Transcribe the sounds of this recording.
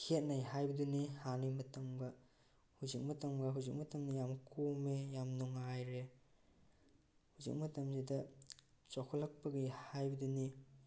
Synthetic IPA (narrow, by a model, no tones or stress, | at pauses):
hʰet̚najɦajbɐdunihanimɐtɐmɡɐ | huzik̚mɐtɐmɡɐɦuzik̚mɐtɐmnɐjamkʰomejamnuŋajɾe | huzḭk̚mɐtɐmzidɐ | t͡ʃɔkʰɔlɐk̚pɐɡihajbɐduni